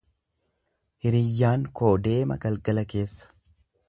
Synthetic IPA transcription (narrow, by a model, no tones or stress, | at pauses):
hɪɾɪjːaːŋko̞ːd̪e̞ːmɐ̰ɡɐlɡɐlɐke̞ːsːɐ̥